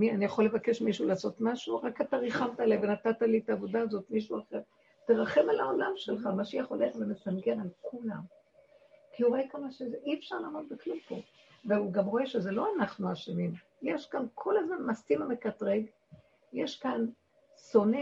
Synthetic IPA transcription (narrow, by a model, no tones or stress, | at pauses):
mianijaχo̞lːevake̞ʃmiʃulaːso̞t̪maʃuʁakat̪aʁiχamt̪aelajvenat̪at̪alitaːvo̞daːzo̞tmiʃuaχeʁ | t̪eʁaχe̞malaolamʃelχamaʃejaχoleχvemesamɡenalkʰulam | kiuʁoekalmaʃezʔiefʃaʁlaːmot̪̚beklumpo̞̰ | veuɡamʁo̞e̞ʃezelo̞anaχnuaʃimim | jeʃkankʰo̞lazmanmaskimamekat̪ʁeɡ | jeʃkan | so̞ne